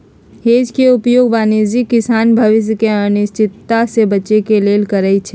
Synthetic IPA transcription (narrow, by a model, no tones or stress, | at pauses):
heːd͡ʒkeʊpjoːɡʋaːned͡ʒikːɪsaːnbʱɐʋɪs̬jəkeənɪʃt͡ʃɪt̪ːasebɐt͡ʃekeleːlkɐɾəit͡ʃʰɛː